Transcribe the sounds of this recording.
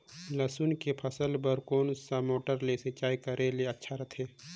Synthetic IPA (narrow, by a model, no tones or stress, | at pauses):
lɐsunkepʰɐsəlpəɾkoːnsamoːʈəɾleset͡ʃaːikɐɾʔeleɐtːʃʰaɾɐt̪ʰeː